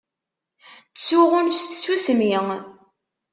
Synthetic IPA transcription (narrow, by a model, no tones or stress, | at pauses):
suʁʊnsθsusmiŋ